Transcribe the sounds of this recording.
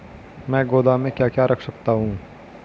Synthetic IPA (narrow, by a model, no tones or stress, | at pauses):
mɛ̃ːɡoːd̪aːmẽːkjaːkjaːɾɐkʰsɐkt̪aɦũː